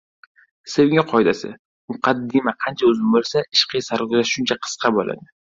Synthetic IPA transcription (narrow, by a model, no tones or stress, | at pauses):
sewɪŋʲɪqʰɒjd̪asɪ̰ | mʊqɑd̪ːɪmaqʰɑnt͡ʃʰaʊzɪmbolˠsaʔɪʃqɨjsaɾkʊzaʃʃʊnt͡ʃʰaqʰɨ̥sqʰɑbola̰d̪ɪ